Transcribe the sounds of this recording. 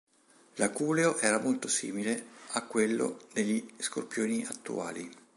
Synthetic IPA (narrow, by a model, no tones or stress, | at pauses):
lakuːleoʔɛːɾamolt̪osḭːmileakːwelːo̰d̪eʎːiskorpjoːniʔat̪ːṵa̰ːli